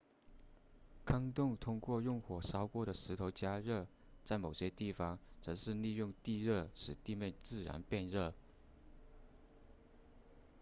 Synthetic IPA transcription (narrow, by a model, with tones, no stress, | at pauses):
kʰɑ˥ŋt̪ʊ˥˧ŋt̪ʰʊ˥ŋkwɔ˥˧jʊ˥˧ŋxwɔ˨˩ʂɑ˥ʊkwɔ˥˩ɾə˩ʂɻ̩˧˥t̪ʰo˧˥ʊt͡ɕja˥ɻɤ˥˩ | t͡sa˥˩ɪmo˨˩ʊɕjɛ˥t̪i˥˩fɑ˨˩ŋt͡sɤ˧˥ʂɻ̩˥˧li˥˧jʊ˥˧ŋt̪i˥˧ɻɤ˥˩ʂɻ̩˨˩t̪i˥˧mjɛ˥˧nt͡sɹ̩˥˩ɻa̰˧˥npjɛ˥˧nɻɤ˥˩